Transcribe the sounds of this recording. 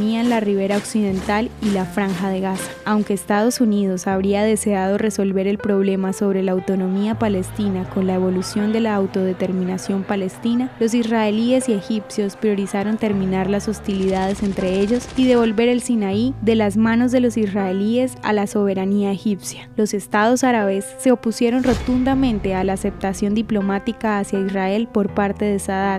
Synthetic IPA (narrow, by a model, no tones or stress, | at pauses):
niaenlariβ̞e̞ɾao̞ksið̞e̞nt̪alilafɾaŋxaðe̞ɣasḁawŋke̞ːst̪að̞o̞sunið̞o̞saβ̞ɾiað̞e̞se̞að̞o̞re̞so̞lβe̞ɾe̞lpɾo̞β̞le̞maso̞βɾe̞laːwt̪o̞no̞miapale̞st̪inako̞nlae̞βo̞lusjo̞nd̪e̞laːwt̪o̞ð̞e̞t̪e̞ɾmĩnasjo̞mpale̞st̪inalo̞s̬israelie̞sie̞xipsjo̞spɾjo̞ɾisaɾo̞nt̪e̞ɾmĩnaɾlasost̪iliðað̞e̞se̞nt̪ɾe̞eʝo̞siðe̞βo̞lbe̞ɾe̞lsinaiðe̞lazmanozðe̞lo̞sisraelie̞sa̰laso̞β̞e̞ɾaniaexipsjalo̞se̞st̪að̞o̞saɾaβe̞sːe̞opusje̞ɾo̞nro̞t̪und̪amẽ̞nt̪e̞alaːse̞p̚t̪asjo̞nd̪iplo̞mat̪ikaːsjaisrae̞lpo̞ɾpaɾt̪e̞ðesaða